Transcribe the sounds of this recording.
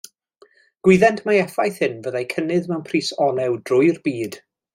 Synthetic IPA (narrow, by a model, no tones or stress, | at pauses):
ɡ̥wɪðɛntʰmaɛfajθhɪnvəðajkʰənɪðmɛwnpʰriːsɔnɛwdrʊjrbiːd̥